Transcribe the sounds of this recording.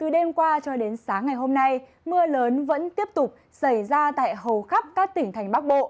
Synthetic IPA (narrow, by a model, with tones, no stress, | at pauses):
t̪ɨ˨˩ɗe˧mkwaː˧t͡ɕɔ˧ɗe˨˦nsaː˨˦ŋːa˨˩jɦo˧mna˧j | mɨ˧ələː˨˦nvə̰˧˥nt̪i˦˥əp̚t̪ʊ˨˩k͡p̚ | sa˧˩jzaː˧t̪a̰ː˧˨jɦə˨˩wxa˦˥p̚kaː˦˥k̚t̪ï˧˩ŋt̪ʰa˨˩jŋ̟ɓa˦˥k̚ɓo̰˧˨